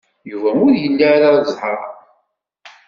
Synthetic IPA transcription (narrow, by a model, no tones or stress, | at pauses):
juvæʊɾjəlːaɾazˤħɾˤ